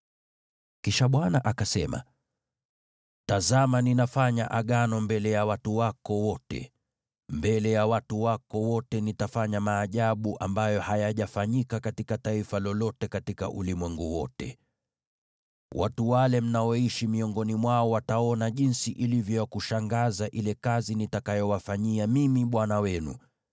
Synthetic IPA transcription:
kiʃaɓwanaʔakasɛma̰ | tazamaninafaɲa̰ʔaɠanɔmbɛlɛjawatuwakɔwɔtɛ̰ | mbɛlɛjawatuwakɔwɔtɛnitafaɲamaːʄaɓuʔambajɔhajaʄafaɲikakatikataifalɔlɔtɛkatika̰ʔṵlimwɛŋɡuwɔtɛ̰ | wʔa̰tuwalɛm̩naɔiʃimiɔŋɡɔnimwaɔwataɔnaʄinsiʔilivjɔjakuʃaŋɡazaʔilɛkazinitakajɔwafaɲiamimiɓwanawɛnṵ

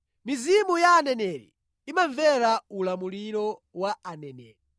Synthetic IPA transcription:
mizimujaːnɛnɛɾḭ | imaɱvɛɾaulamuliɾɔwaanɛnɛ̰ːɾi

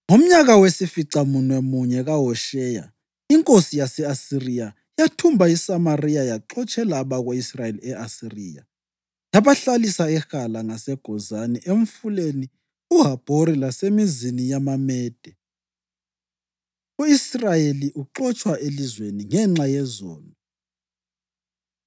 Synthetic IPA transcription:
ŋom̩ɲaɣawesifiǀamunwɛmuɲɛɣaɦɔʃɛja̰ | iŋkʼosijasɛasirija | jatʰumbʱaisamarijajaǃɔt͡ʃʼɛlaːβaɣoisrajeliɛʔasirḭːja̰ | jaβaɬalisaɛxalaŋasɛɡ̥ʱɔzaniʔeɱ̩fuleni | uɦab̥ʱoɾilasemizinijamamɛːd̥ʱɛ | uisrajeliʔuǃɔt͡ʃʼwaʔelizweniŋɛŋ͡ǁajɛzɔ̰ːlɔ

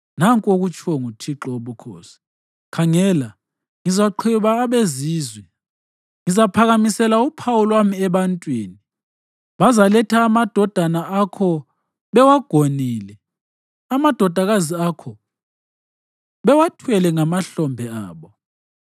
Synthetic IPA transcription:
naŋkʼoɣut͡ʃʰɔŋutʰiǁɔoβukʰo̰ːsi̥ | kʰaŋɛla | ŋizaǃʰiβaːβeziːzwɛ | ŋizapʰaɣamisɛlaupʰawulwamiɛβantʼwiːni | βazalɛtʰaːmad̥ʱɔd̥ʱanaakʰɔ | βɛwaɡ̥ʱoniːlɛ | amad̥ʱɔd̥ʱaɣaziakʰɔ | βɛwatʰwɛlɛŋamaɬɔmbʱɛa̰ːβɔ

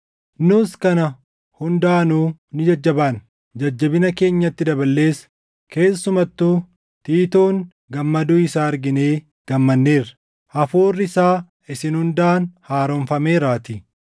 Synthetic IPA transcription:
nʊskɐnɐ | hʊnd̪aːnuːnɪd͡ʒɐd͡ʒːɐbaːn | d͡ʒɐd͡ʒːɐbɪnɐke̞ːɲːɐt̪ːɪd̪ɐbɐlːe̞ːs | ke̞ːsːʊmɐt̪ːuː | t̪iːt̪oːŋ | ɡɐmːɐd̪uːɪsaːɐɾɡɪne̞ː | ɡ̥ɐmːɐnːeːrɐ̥ | hɐfoːrːɪɪsaː | ɪsɪnhʊnd̪aːnhaːɾɔnfɐmeːɾaːt̪i

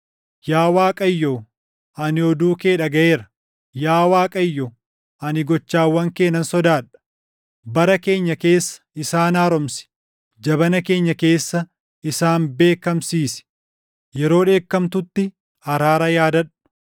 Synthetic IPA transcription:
jaːwaːkʼɐjːoː | ɐnɪɔd̪uːke̞ːᶑɐɡɐe̞ːɾɐ | jaːwaːkʼɐjːɔ | ɐnɪɡɔt͡ʃːaːwːɐŋke̞ːnːɐnsɔd̪aːᶑɐ̥ | bɐɾɐke̞ːɲːɐke̞ːsːɐ̥ɪsaːnaːɾɔmsɪ̥ | d͡ʒɐbɐnɐke̞ːɲːɐke̞ːsːɐ | ɪsaːnbe̞ːkɐmsiːsɪ̥ | jɛɾo̞ːᶑe̞ːkːɐmt̪ʊt̪ːɪ | ɐɾaːɾɐjaːd̪ɐᶑɐ̥

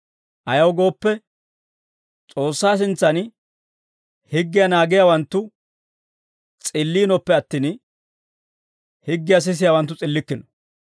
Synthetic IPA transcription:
ʔɐjɐwɡo̞ːpːɛ | t͡sʼo̞ːsːaːs̬ɪnt͡sːɐn | hɪɡːɪjanaːɡɪjawɐnt̪ːʊ | t͡sʼɪlːiːnɔpːɛɐt̪ːiːn | hɪɡːɪjɐs̬ɪs̬ɪjawɐnt̪ːʊt͡sʼɪlːɪkːɪnɔ̥

